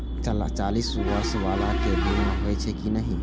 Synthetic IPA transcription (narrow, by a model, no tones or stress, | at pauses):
t͡ʃla̰t͡ʃaːlisasʋaːlakebʱelmeɦoɛt͡ʃʰɛkinəɦĩ